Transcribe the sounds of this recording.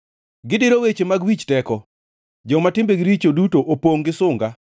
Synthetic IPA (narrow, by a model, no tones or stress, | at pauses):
ɡɪdɪɾowet͡ʃemaɡwit͡ʃtɛkɔ | d͡ʒɔmatɪmbeɡɪɾit͡ʃodutoʔopoŋɡɪsʊŋɡa